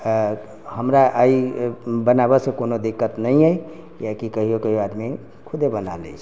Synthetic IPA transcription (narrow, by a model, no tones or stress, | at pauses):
həmɾaʔaibənabasekonod̪ikːət̪nəɦĩəi | jakikəɦiokəɦioad̪me | kʰʊd̪ebəna̰lḛit͡ʃʰ